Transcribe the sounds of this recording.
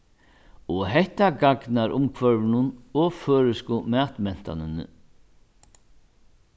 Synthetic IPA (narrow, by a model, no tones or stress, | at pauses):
ɔɦɛht̪aɡaknaɾʔʊmkʰvœɾvɪnʊnɔføːɾʏskʊmɛːt̪mɛn̥t̪a̰nʏnʏ̰